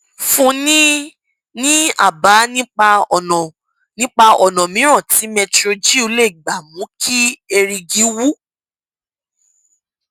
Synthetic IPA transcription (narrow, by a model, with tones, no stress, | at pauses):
fũ˦nĩ˦ | nĩ˦a̰˦˨ba˨˦nĩ˦k͡pa˧ɔ˨nɔ̃˨ | nĩ˦k͡pa˧ɔ˨nɔ̃˨mĩ˨˦ɾ̃ã˦˨tʰi˨˦mɛ˧tɾo˧d͡ʒi˦o˧le˦˨ɡ͡ba˨mũ˨˦kʰi˦e˧ɾi˧ɡi˨˦wu˦